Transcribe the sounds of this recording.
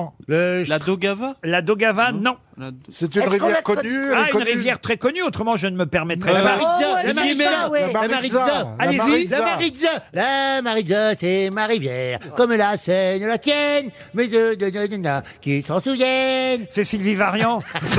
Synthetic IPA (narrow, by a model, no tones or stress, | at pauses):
ləad̪oɡavalad̪oɡavanɔ̃ | sɛt̪ynʁivkjɛkɔnyaynʁivjɛʁt̪χɛkɔnyot̪χəmɑ̃ʒənməpɛʁmɛt̪χɛmaʁizalamaiawlamaʁizaalezilamaʁid̪zalamaʁizasɛmaʁivjɛʁkɔmlasɛnəlat̪jɛn | mezød̪ənənnɛ̃ | kʲisɑ̃suvjɛnsɛsilvivaʁjɑ̃